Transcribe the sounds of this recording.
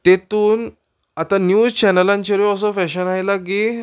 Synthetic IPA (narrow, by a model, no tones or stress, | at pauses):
t̪et̪uːn | at̪anjut͡ɕɛnəlãɲt͡ɕəɾiɔs̬ɔfɛɕənajlaɡe